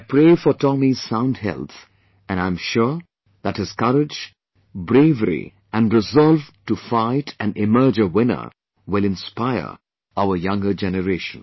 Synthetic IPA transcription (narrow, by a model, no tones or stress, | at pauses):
aɪpʰɾeːfɔtʰɔmiz̥sãʊ̃nd̚hɛ̰lˠt̪ | ɨ̃nãɪ̃mʃuɹ | ðæthɨz̥kʌɾɪd͡ʒ | bɾeɪvəɾḭ | æ̃nɾɪzɔlvtufaɪtʰæ̃nɪmɜ˞d͡ʒəwɪ̃nə̰˞ | wɪlɪ̃nspaɪə̰˞ | aʊəjʌ̃ŋɡə˞d͡ʒɛnəɾeːʃə̃n